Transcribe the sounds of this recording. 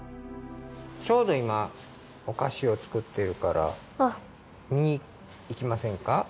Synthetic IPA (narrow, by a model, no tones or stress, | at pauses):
t͡ɕo̞ːd̪o̞ima | okaɕio̞t͡sɨ̥kɯ̟t̪ːe̞ɾɯ̟kaɾa̰ | miɲ̟iː | kʲimasẽ̞ŋka